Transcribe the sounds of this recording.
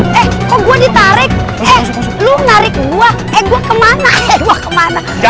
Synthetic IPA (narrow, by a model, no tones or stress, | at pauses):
ʔɛhkɔɡuɛdit̪aɾɪk̚ɛhlunaɾɪkluah | ɛɡuakəmanaɛluahkəmana